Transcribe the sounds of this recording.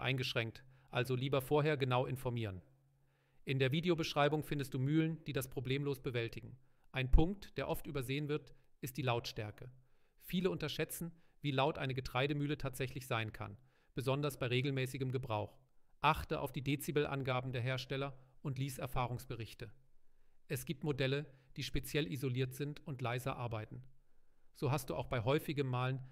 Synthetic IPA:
ʔa̰ɪnɡəʃʁ̥ɛŋk̚tʔalzoliːbɐfoːɐɦeːɐɡənaʊʔɪnfɔɐmiːʁən | ʔɪndeːɐviːdeobəʃʁ̥aɪbʊŋfɪndəst̚d̥uːmyːlənd̥iːdaspʁ̥obleːmloːsb̥əvɛltɪɡŋ̩ | ʔaɪnpʰʊŋk̚td̥eːɐʔɔftʔyːbɐzeːənvɪɐtʔɪstd̥iːlaʊtʃtɛɐkə | fiːləʊntɐʃɛt͡sn̩viːlaʊtʔaɪnəɡətʁ̥aɪɾəmyːlətʰaːtz̥ɛçlɪçz̥aɪənkʰa̰n | b̥əzɔndɐsb̥aɪʁeːɡl̩mɛːsɪɡəmɡəbʁaʊxʔaχtəʔa̰ʊfd̥iːdeːt͡sibəlʔa̰nɡaːbm̩deːɐɦeːɐʃtɛlɐʔʊntliːsɛɐfaːʁ̞ʊŋsb̥əʁɪçtə | ʔɛsɡ̥iːp̚tmodɛləd̥iːʃpet͡sjɛlʔizoliːɐtz̥ɪntʊntlaɪzɐʔaɐbaɪtn̩ | z̥oːɦastd̥uːʔa̰ʊxb̥aɪɦɔʏfɪɡəmːaːlən

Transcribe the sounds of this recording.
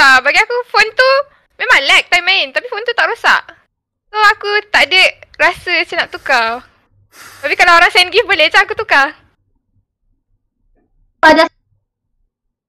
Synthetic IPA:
abaɡiakufɔnt̪u | mẽmãŋlɛk̚t̪ajmaɪnt̪apifɔnt̪ut̪aʔɾosa̰ʔ | soakut̪aʔdəʔɾasəsənaʔt̪uka | t̪apikalaoɾaŋsainɡifbəled͡ʒaakut̪uka | pada

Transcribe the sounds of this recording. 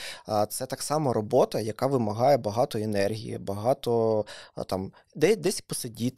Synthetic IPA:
t̪sɛt̪ɑksɑmɔɾɔbɔt̪ɐjɐkɑʋɪmɐɦɑjɛbɐɦɑt̪ɔenɛrɦʲḭjḭbɐɦɑt̪ɔt̪ɑm | d̪ɛd̪ɛsʲpɔsɐdʲit̪

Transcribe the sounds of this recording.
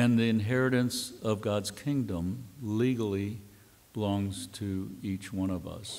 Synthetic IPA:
ɨ̃nðiɨ̃nɦɛɹɨɾɨ̃nsʌvɡɑdz̥kʰɪ̃ŋdə̃mliɡl̩ˠi | b̥əlɔ̃ŋz̥tʰɨit͡ʃwʌ̃ñʌvʌ̰s

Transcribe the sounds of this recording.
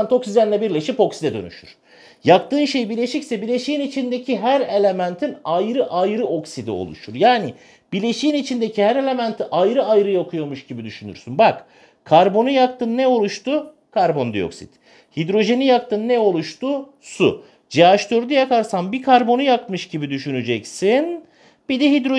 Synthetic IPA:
nt̪o̞ksid̪ænlʲɛbiɾlʲe̞ʃipo̞ksid̪ɛd̪ø̰ny̰ʃy̰ɾ̥ | jakt̪ɯːnʃe̞jbiɾlʲe̞ʃicsɛbilʲe̞ʃijinit͡ʃʰind̪e̞cʰiɦæɾe̞lʲe̞mænt̪ʰinajɾɯʔajɾɯo̞ksid̪ḭo̞̰lˠṵʃuɾjaːni | b̥ilʲe̞ʃijinit͡ʃʰind̪ecʰihæɾe̞lʲe̞mænt̪ʰiʔajɾɯajɾɯjaokʰujo̞muʃɟibid̪yʃyny̰ɾsynbak | kʰaɾbo̞nujakt̪ʰɯnːɛo̞lˠuʃt̪u | kʰaɾbo̞nd̪ḭo̞̰ksḭt̪̚ | hid̪ɾo̞ʒe̞nijak̚t̪ɯnːɛo̞lˠuʃt̪u | sṵ | d͡ʒeaʃt̪ʰøɾd̪ijakaɾsambikʰaɾbo̞nujakmɯʃɟibid̪yʃynyd͡ʒɛcsin | b̥id̪ɛɦid̪ɾo

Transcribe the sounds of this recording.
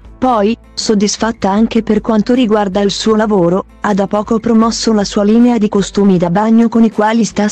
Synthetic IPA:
pɔj | sod̪ːisfat̪ːaaŋk̟eperkwant̪oɾiɡward̪alsuːolavoːɾo | ad̪ːapːɔːkopɾomɔsːolasuːaliːnead̪ikost̪uːmid̪abaɲːokonikwaːlist̪a

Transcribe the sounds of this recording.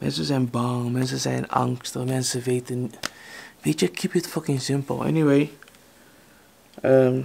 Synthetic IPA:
mɛ̰̃ns̬ɨzãnbɑŋmɛ̃ns̬ɨzã̰nã̰ŋkstəmæ̃nsɨveɪtɨ̃n | veɪt͡ʃəkʰipɨtfʌkɪ̃ŋsɪ̃mpl̩ˠɛ̰niweɪ | ʌm

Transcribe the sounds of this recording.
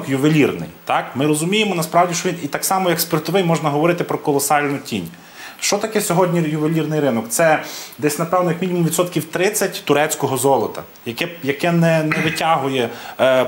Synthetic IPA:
kjʊʋelʲirnɪ̰jt̪ɑkmɪɾɔzʊmʲijemɔnɐspɾɑwdʲiʃt͡ʃɔʋʲinit̪ɑksɑmɔjɐkspʲert̪ɔʋɪjmɔʒnɐɦɔʋɔɾɪt̪ɪpɾɔkɔlˠɔsɑlʲnʊtʲinʲ | ʃt͡ʃɔt̪ɐkɛsʲɔɦɔdʲnʲijʊʋelʲirnɪjɾɪnɔkt̪sɛd̪ɛsʲnɐpɛwnɔjɐkmʲinʲimumʋʲid̪sɔt̪kʲiwt̪ɾɪt͡sʲːɐtʲt̪ʊɾɛt͡sʲkɔɦɔzɔlˠɔt̪ɐ̰ | jɐkɛjɐkɛnɛnɛʋɪtʲɑɦʊjɛ

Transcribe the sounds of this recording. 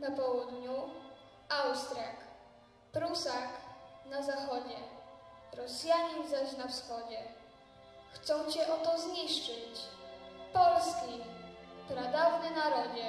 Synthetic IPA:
napɔwud̪ɲu | awst̪ɾʲak | pɾusaxnazaxɔd͡ʑɛ | ɾɔsjaɲizaɕnafsxɔd͡ʑɛ | xt̪sɔ̃w̃t͡ɕɛʔɔt̪ɔzɲiʂt͡ʂɘt͡ɕ | pɔlskʲipɾad̪avnɛnaɾɔd͡ʑɛ

